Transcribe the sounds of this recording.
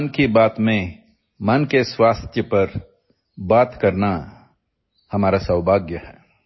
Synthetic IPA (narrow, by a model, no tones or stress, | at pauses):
nkibaːt̪mẽ | mɐnkeswaːst̪ʰjəpɐɾ | baːt̪kɐɾna | hɐmaːɾasɐwbʱaːɡjəhɛː